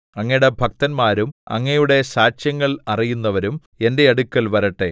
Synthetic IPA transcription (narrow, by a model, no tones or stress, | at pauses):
ɐŋːɐjɽebʱɐk̚t̪ɐnmaːɾumɐ̰ŋːɐjuɽe̞saːt͡ɕjɐŋːɐɭɐrijunːɐʋɐɾum | e̞nde̞ɐɽukːɐlʋɐɾɐʈːe̞